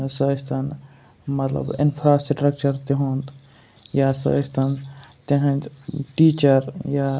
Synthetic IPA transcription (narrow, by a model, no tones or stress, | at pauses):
səst̪ɐn | mɐt̪lə̰bḭnpʰɾasʈɾək̚t͡ʃəɾt̪iɦũnt̪ | jasə̰st̪ʰɐnt̪eɦə̃nd͡ʒʈit͡ʃəɾja